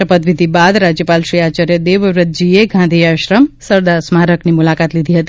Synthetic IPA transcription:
əpət̪ʋid̪ʱibad̪ɾad͡ʒjəpalʃɾiat͡ʃaɾjəd̪eʋɾət̪̚d͡ʒieɡʱãnd̪ʱiaʃɾəmsəɾd̪aɾsmaɾəknimulakat̪lid̪ʱiɦət̪i

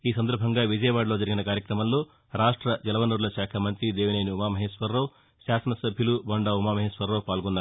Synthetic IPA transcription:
iːsɐnd̪ɐɾbʱɐŋɡaːʋid͡ʒɐjɐʋaːɽloːd͡ʒɐɾiɡinɐkaːɾjɐkɾɐmɐnloː | ɾaːʂʈɾɐd͡ʒɐlɐʋɐnuɾulɐʃaːkʰɐmɐnt̪ɾid̪eːʋineːniumaːmɐɦeːʃʋɐɾːɐw | ʃaːsɐnɐsɐbʱjɐlubɐɳɖaumaːmɐɦeːʃʋɐɾːɐwpaːlɡonːa

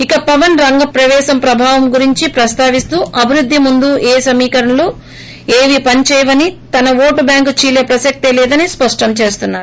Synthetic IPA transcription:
ikɐpɐʋɐnɾɐŋɡɐpɾɐʋɛːʃɐmpɾɐbʱaːʋɐmɡuɾiɲt͡ʃipɾɐst̪aːʋist̪uːʔɐbʱiɾud̪ʱːimund̪uʔeːsɐmiːkɐɾɐnɐluː | eːʋipɐɲt͡ʃɛːjʋɐnit̪ɐnɐʋoːʈubjaːŋkt͡ʃiːlepɾɐsɐk̚t̪elɛːd̪ɐnispɐʂʈɐmt͡ʃe̞ːst̪unːaːɾu

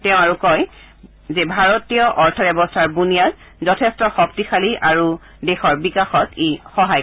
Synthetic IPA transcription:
teʊ̃aɹukɔj | zebʱaɹɔtijɔʔɔɹtʰɔbɛbɔstʰaɹbunijat | zɔtʰestɔxɔp̚tixaliʔaɹu | dexɔɹbikaxɔtexɔɦaj

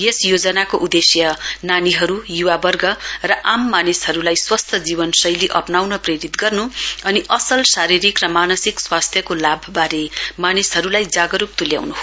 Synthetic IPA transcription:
jesjod͡zʌnakoʔud̪esjʌnaniɦʌɾujuwabʌrɡʌrʌʔamːanishʌɾulajswʌst̪ʰjʌd͡zibʌnsʌjliʔʌpnawnʌpreɾit̪ɡʌrnuʌniʔʌsʌlsaɾiɾikrʌmanʌsikswast̪ʰjʌkolabʱbaɾemanisɦʌɾulajd͡zaɡʌɾup̚t̪ulja̰wnuɦ

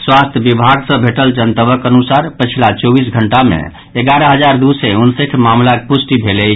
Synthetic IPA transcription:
swast̪ʰjəbibʱaɡsə̃bʱeʈəld͡ʒənt̪əbəkənusaɾpət͡ʃʰilat͡ʃɔbis̬ɡʱəɳʈamḛ | eɡaɾəɦəd͡ʒaɾd̪useunsekʰmamlakepusʈibʱelɛ

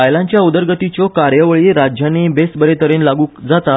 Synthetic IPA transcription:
ajlãɲt͡ɕjaud̪əɾɡət̪it͡sɔkaɾjəʋəɭiɾad͡ʑjanebesbəɾet̪əɾenlaɡuːkd͡zat̪a

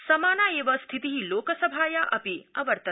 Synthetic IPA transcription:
sɐmaːnaːeːʋɐst̪ʰit̪iɦiloːkɐsɐbʱaːjaʔɐ̰piɐʋɐɾt̪ɐ

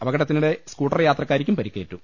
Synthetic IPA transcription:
ɐʋɐɣɐɽɐt̪ːinuɽe̞skuːʈːɐrjaːt̪rɐkːaːɾikʲːumpɐɾikːeːʈːu

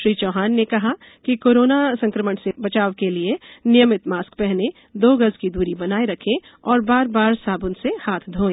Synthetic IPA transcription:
ʃɾiːt͡ʃɔːɦaːnːekɐɦa | kikoːɾoːnasɐ̃ŋkɾəməɳsebɐt͡ʃaːʋkelienɪjəmɪt̪maːskpɛɦne | d̪oːɡɐzkid̪uːɾibɐnaːeɾɐkʰẽ | ɔːɾbaːɾbaːɾsaːbʊnsehaːt̪ʰd̪ʱoːẽː

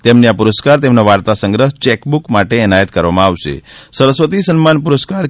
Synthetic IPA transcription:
t̪emneapuɾəskaɾt̪emnaʋaɾt̪asəŋɡɾəɦt͡ʃɛkbukmaʈeɛnajət̪kəɾʋamãaʋʃḛsəɾəsʋət̪isənmanpuɾəskaɾ

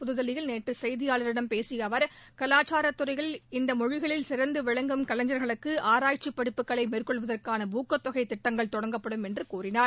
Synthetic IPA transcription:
pʊðɯðɐlɪjɪlneːʈrɯsɐɪðɪjaːɭɐɾɪɳɐmpeːsɪjɐʋɐɾkɐlaːt͡ʃaːɾɐt̪ːʊɾɐɪɣɐɭɪnd̪ɐmɔɻɪɣɐɭɪlsɪɾɐnd̪ɯʋɪɻɐŋɡɯmkɐlɐɲd͡ʒɐɾɣɐɭɯkːɯʔaːɾaːjʈ̚t͡ʃipːɐɽɪpːɯkːɐɭɐɪmeːrkɔɭʋɐðɐrkaːnɐbuːkːɐt̪ːɔɣɐɪt̪ːɪʈːɐŋɡɐɭt̪ɔɽɐŋɡɐpːɐɽɯmɛndrɯkuːrɪnaːɾ

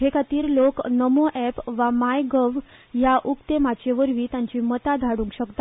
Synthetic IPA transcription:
ɦekat̪iːɾloknəmoʔɛpʋamajɡəʋjaʔukt̪emat͡ɕeʋəɾʋiːt̪jãɲt͡ɕiːmət̪ad̪ʱaɽũːŋkɕəkt̪a

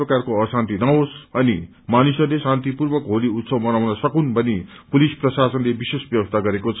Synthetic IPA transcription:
ʌkarkoʌsãnt̪inãosʌni | manisʌrlesãnt̪ipurbʌkɦoliut̪sʰʌwmʌnawnʌsʌkunbʌni | pulisprʌsasʌnlebisesbjʌbʌst̪ʰaɡʌɾekot͡sʰʌ

